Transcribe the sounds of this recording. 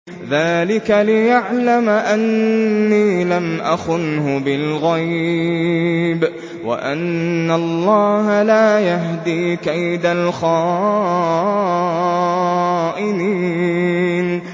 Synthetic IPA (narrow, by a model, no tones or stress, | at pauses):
ðaːlɪkalɪjaʕlamaʔanːiːlamʔaxʊnɦʊbɪlɣaj | b | wa̰ʔanːalˤːɑːɦalaːjaɦd̪iːkajd̪alxaː | ʔɪniː | n